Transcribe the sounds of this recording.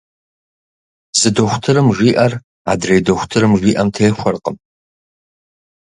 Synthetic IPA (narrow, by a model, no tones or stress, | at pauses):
z̥ɨdoχʷʊtʰɨɾɨmʒʷiːʔɐr | a̰ːdrejdoxʷtʰɨɾɨmʒʷiːʔɐmtʰeːxʷɐrqəm